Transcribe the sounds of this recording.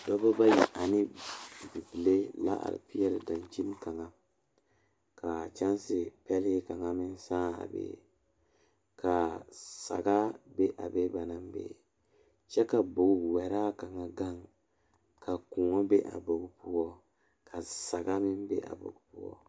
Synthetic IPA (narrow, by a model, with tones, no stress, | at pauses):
dɔ˦ba˦ba˦jḭ˨ʔa˨nɪ˦˨bi˨pi˨le˦la̰˦ʔa̰˨ɪ̰˨pi˦jɛ˦lɪ˦da˨nt͡ʃi˦n˦ka˨ŋa˨ | ka˨t͡ʃa˦n˦sɪ˨pɛ˦lɪ˦ka˨ŋa˦mɪ˦n˦saː˦a̰˨bḛ˦ | ka˨sa̰˨ɡa˦be˦ʔa̰˨be˦ba˨na˦mbḛ˨ | t͡ʃɛ˦ka˨bo˨ɡu˨wɛ˨ɾaː˦ka˨ŋa˨ɡa˦ŋ | ka˨kuː˨ŋɔ˦be˦ʔa̰˨bo˨ɡu˦pu˦ɔ˦ | ka˨sa˨ɡa˦mɪ˦nbḛ˦ʔa̰˨bo̰˨ɡu˦pu˦ɔ̰˦